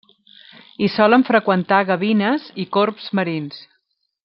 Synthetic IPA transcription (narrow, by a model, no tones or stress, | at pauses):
isɔləɱfɾəkwənt̪aɣəβinəzikorpz̥məɾins